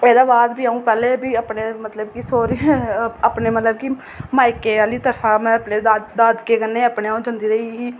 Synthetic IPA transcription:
eːd̪aːbaːd̪biːaũːpɛːleːbiːaːpɳeːmət̪ləbkisoːɾiaːpneːmət̪ləb̚kiː | maːɪkeːaːliːt̪əɾfʰãːmɛ̃əpneːd̪ad̪aːd̪keːkənːeːaːpɳeːaũːd͡ʒənd̪iːɾəiɦiː

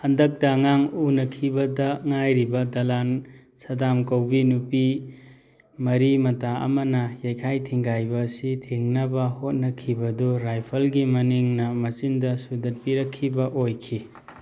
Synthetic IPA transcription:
hɐndɐk̚tɐŋaŋunɐkʰibɐdɐŋajɾibɐdɐlan | sɐdamkɐwbinupi | mɐɾimɐtaɐ̰mɐnɐjajkʰajtʰiŋɡajbɐsitʰiŋnɐbɐhot̚nɐkʰibɐduɾajpʰɐlɡimɐniŋnɐmɐt͡ʃindɐsudɐt̚piɾɐkʰːibɐʔojkʰi

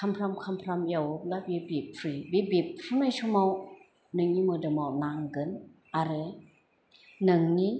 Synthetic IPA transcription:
kʰampʰɾamkʰampʰɾamjawɯp̚labibipʰɾibibip̚ʰɾunajsumaw | nɯŋnimɯdɯmawnaŋɡɯn | aɾɯ | nɯŋni

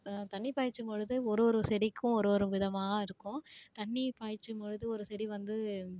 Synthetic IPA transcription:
t̪ɐɳːipaːjt͡ʃːɯmpɔɻɯðɯɔɾoːɾɯsɛɽikːʊ̃ɔɾoːɾɯ̃ʋɪðɐmaːɐɪɾɯkːʊ̃t̪ɐɳːipaːjt͡ʃːɯmpɔɻɯðɯɔɾɯsɛɽiʋɐnd̪ɯ

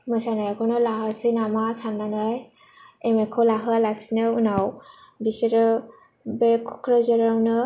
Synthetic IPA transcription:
mɯsanajkʰɔnɔlaɦasinamasanːanɯj | emekʰɔwlaɦɯlasinɯunawbiseɾɯ | bekʰu̥kʰɾɔzɯɾanɯ

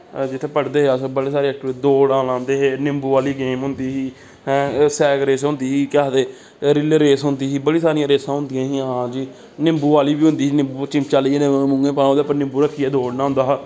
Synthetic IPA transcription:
d͡ʒɪt̪ʰːeːpəɽd̪eːɦeasbəɽeːsaːɾeːɛk̚ʈːd̪oːɽãːlãːnd̪eːɦeːnɪmbuːʋaːliːɡeːmɦʊnd̪iːɦiː | ɦɛ̃ːsɛːkɾeːsɦʊ̃nd̪iːɦiːkɪaːd̪eː | ɾɪleːɾeːsɦʊnd̪iːɦiːbəɽiːsaːɾĩãːɾeːsãːɦʊ̃nd̪ɪjãːɦiːɦãːd͡ʒiː | nɪmbuːʋaːliːbiːɦʊ̃nd̪iːsiːnɪmbuːt͡ʃɪmt͡ʃaːliːeːnẽːmʊ̃ŋɡẽːpãːõːd̪eːpəɾnɪmbuːɾəkʰːiːɛːd̪oːɽnaːɦʊ̃nd̪aːɦː

